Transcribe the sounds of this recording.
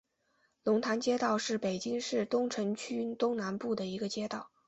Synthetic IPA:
lʊ˧˥ŋt̪ʰa˧˥nt͡ɕjɛ˥t̪ɑ˥˧ʊʂɻ̩˥˩pe˨˩ɪt͡ɕi˥ŋʂɻ̩˥˩t̪ʊ˥ŋʈ͡ʂʰɤ˧˥ŋt͡ɕʰy˥t̪ʊ˥ŋna˧˥npu˥˩d̪ə˩i˧˥ɡə˧t͡ɕjɛ˥t̪ɑ˥˩ʊ

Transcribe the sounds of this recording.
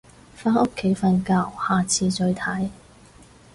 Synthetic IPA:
faː˥nʊ˥kʰːe˨˥jfɐ˧nkaː˧whaː˨t͡sʰiː˧t͡ʃɵ˧ɥt̪ʰɐ˨˥j

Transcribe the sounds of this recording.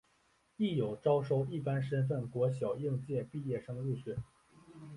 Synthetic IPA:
i˥˩jo˨˩ʊʈ͡ʂɑ˥ʊʂo˥˧ʊi˥˩pa˥nʂə˥nf̬ə˥˩nkwɔ˧˥ɕjɑ˨˩ʊji˥˧ŋt͡ɕjɛ˥˧pi˥˧jɛ˥˩ʂɤ˥ŋi˥˩ɕɛ˥˩˦n

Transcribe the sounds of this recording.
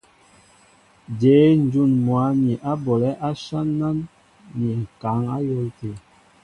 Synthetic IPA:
de˨˦n˦d͡ʒu˦˨nmwa˨˦mi˨ʔa˦bɔ˨lɛ˦ʔa˦ʃa˦nːa˦n | mi˨ŋ̩˨ka˨˦ŋa˦jɔ˦lte˨

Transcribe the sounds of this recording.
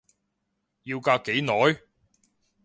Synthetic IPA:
jiː˧wkaː˧kːe˨˥jnɔː˨˥j

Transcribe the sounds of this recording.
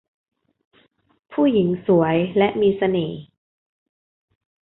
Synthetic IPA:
pʰuː˥˩ji˩˦ŋsu˩˦ɐəjlɛ˦˥ʔmiː˧sa˧neː˩˦

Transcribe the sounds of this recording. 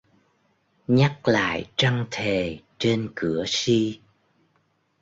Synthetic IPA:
ɲa˦˥k̚la̰ː˧˨jt͡ɕa˧ŋt̪ʰe˨˩t͡ɕe˧nkɨ˧˩əsi˧

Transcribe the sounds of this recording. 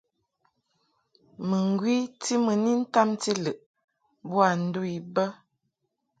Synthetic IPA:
mə˨ŋ˨ɡwi˦ti˦mə˨ni˦n̩˦ta˦mti˦lɨ˨ʔ | bwa˨n̩˦du˦i˨bə˦

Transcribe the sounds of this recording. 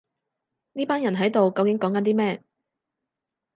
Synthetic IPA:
niː˥paː˥njɐ˨˩nɦɐ˨˥jt̪o˨wkɐ˧wkɪ˨˥ŋkɔː˨˥ŋkɐ˨˥nt̪iː˥mɛː˥

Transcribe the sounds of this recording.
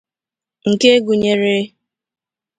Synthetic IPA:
ŋ̩˨ke˦ɡu˨ɲe˨ɾɪ˦

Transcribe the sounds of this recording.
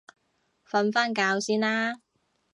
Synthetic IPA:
fɐ˧˥nfaː˥nkaː˨˧wsiː˥naː˥

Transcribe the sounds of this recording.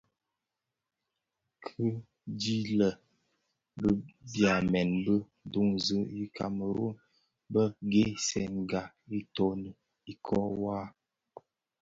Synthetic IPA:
kʰə˦ | di˦lə˨ | bə˦bja˨mɛ˨nbə˦ | du˦ŋzə˦i˦kʰa̰˨mə˨ɾo̰˦n | bə˦ɡe˦sɛ˨ŋ˨ɡa˨ | i˦tɔ˦nə˨ | i˦kʰɔ˦wa˦

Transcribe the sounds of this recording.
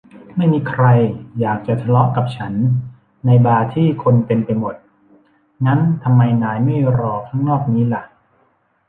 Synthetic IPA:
ma˥˩jmiː˧kʰɾa˧jjaː˨˩k̚t͡ɕa˨˩t͡ɕ̪ʰa˧lɔ˦˥ʔka˨˩p̚t͡ɕʰa˦˥nː | a˧jbaː˧t̪ʰiː˥˩kʰo˧npe˧npa˧jmo˨˩t̪̚ | na˦˥nt̪ʰa˧mːa˧jnaː˩˦jma˥˩jɾɔː˧˩kʰa˦˥ŋnɔː˥˩k̚niː˦˥la˧˩ʔ

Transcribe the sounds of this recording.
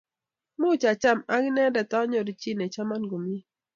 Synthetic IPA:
mu˦t͡ʃa˨t͡ʃa˦ma˦ɡi˦nɛ˦dɛ˨tɔ˦ɲɔ˨ɾi˨t͡ʃi˦nɛ˨t͡ʃa˦ma˦nɡo˨mi˦

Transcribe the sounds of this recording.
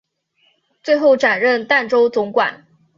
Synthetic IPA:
t͡swe˥˧ɪxo˥˩ʊʈ͡ʂa˨˩nɻə˥˨nt̪a˥˩nʈ͡ʂo˥ʊt͡sʊ˧˥ŋkwa̰˨˩˦n

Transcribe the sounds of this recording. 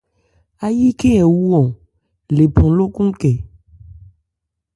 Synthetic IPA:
a˨ji˦ke˦ɛ˨wu˦ɔ̃˨ | le˨pɔ̃˨lo˦kũ˦kɛ˨

